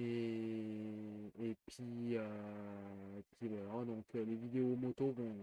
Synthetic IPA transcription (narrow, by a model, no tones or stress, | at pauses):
e | epɥiø | epɥivwalad̪ɔ̃kølevid̪eomɔt̪ovɔ̃